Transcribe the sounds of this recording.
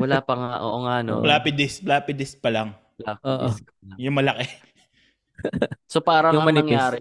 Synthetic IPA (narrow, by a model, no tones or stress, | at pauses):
wɐlaːpɐŋaʔo̰ːʔoŋano̰blaːpɪd̪ɪsplaːpɪd̪ɪspɐlɐŋ | laʔoːʔsk | jʊŋmɐlɐkɛ | sopaːɾɐjʊmɐnɪɐŋjaːɾɛ